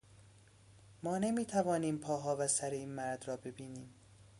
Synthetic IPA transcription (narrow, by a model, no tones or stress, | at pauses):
mɒːne̞miːt̪ʰævɒːniːmpʰɒːɦɒːvæsæɾeiːnmæɾd̪rɒːbe̞biːniːm